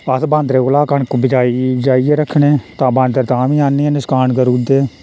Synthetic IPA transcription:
əsbãːnd̪ɾeːʊlaːkəɳkːbɪd͡ʒaːid͡ʒaːieːɾəkʰːɳeːt̪ãːbãːnd̪əɾt̪ãːʋĩːaːnːiːnɪskaːɳkəɾuːd̪eː

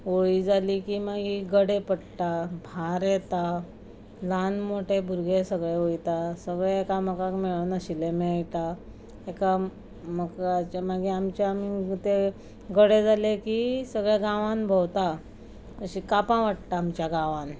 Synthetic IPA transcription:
oɭid͡zalikimaɡiːɡəɽepəɽt̪abʱaɾet̪a | lanmoʈʰebʱuɾɡesəɡɭeojt̪asəɡɭeekaməkakmeɭənəɕilemeɭt̪a | eka | məkat͡ɕamaɡiamt͡ɕaamit̪e | ɡəɽed͡zalekisəɡɭeɡãʋãnbʱowt̪a | əɕikapãʋaʈ̚t̪aːmt͡ɕjaɡãʋãn

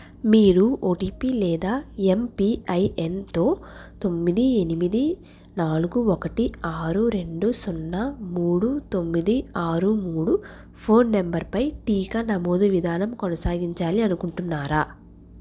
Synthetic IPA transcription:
miːɾuoːʈiːpilɛːd̪aːempiːɐjent̪o̞ːt̪o̞mːid̪ie̞nimid̪i | naːluɡuɔkɐʈiaːɾuɾe̞ɳɖusunːɐmuːɽut̪o̞mːid̪iaːɾumuːɽu | pʰo̞ːnːembɐɾpɐjʈiːkɐnɐmoːd̪uʋid̪ʱaːnɐmkonɐsaːɡiɲt͡ʃaːliɐnukuɳʈunːaːɾaː

